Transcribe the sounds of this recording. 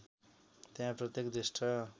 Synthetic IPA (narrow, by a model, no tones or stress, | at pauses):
t̪eɦãprʌt̪jekd̪isʈʰʌ